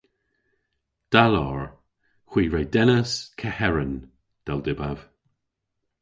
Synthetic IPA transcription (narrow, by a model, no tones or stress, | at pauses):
d̪̥alɔɹ | xwiːɹejd̪ɛnəskʰɛhɛɹən | d̪̥ɛld̪ɪbav̥